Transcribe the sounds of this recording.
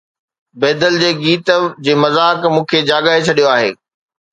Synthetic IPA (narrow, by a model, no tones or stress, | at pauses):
bɛːd̪əld͡ʑeːɡiːt̪d͡ʑeːmɐzaːkmũːkʰed͡ʑaːɡaːɦet͡ɕʰɐɗijoaːɦeː